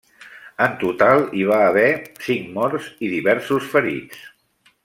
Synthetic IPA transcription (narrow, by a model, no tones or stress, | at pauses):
ənt̪ut̪alˠiβ̞aəβɛsiŋmɔɾziðiβɛɾsusfəɾḭt͡s